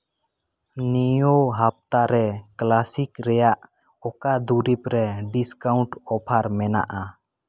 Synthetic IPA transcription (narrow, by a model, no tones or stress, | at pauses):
nijoɦap̚t̪aɾɛklasikɾɛjaʔ | ɔkad̪uɾipɾɛɖiskaʊɳʈɔpʰaɾmɛna̰ʔa